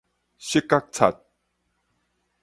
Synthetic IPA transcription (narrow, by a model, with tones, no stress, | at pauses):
ɕi˦˥kːa˦˥k̚t͡sʰa̰˨t̪̚